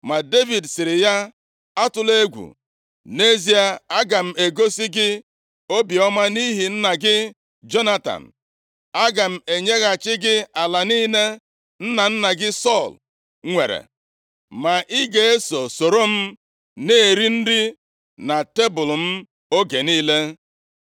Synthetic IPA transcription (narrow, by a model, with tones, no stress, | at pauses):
ma˨de˦vi˨dsɪ˨ɾɪ˨ja˦ | a˦tʊ˨le˦ɡʷṵ˨ | ne˦zi˦a˨a˦ɡa˨m̩˨e˨ɡo˦si˦ɡɪ˦ | o˦bi˨ɔ˦ma˦ni˦ɦi˨n̩˦na˨ɡɪ˦ | d͡ʒo˦na˦ta̰˨n̩˨ | a˦ɡa˨m̩˨e˨ɲe˦ɣa˨t͡ʃɪ˦ɡɪ˦a˨la˨niː˦ne˦ | n̩˦na˨n̩˦na˨ɡɪ˦sɔ˦˨l | ŋʷe˨ɾḛ˨ | ma˨ʔɪ˦ɡe˨e˦so˨so˨ɾo˦m̩˦ | ne˦e˨ɾi˦n̩˦di˦ | na˨te˦bʊ˨lm̩˦ | o˦ɡe˨niː˦le˦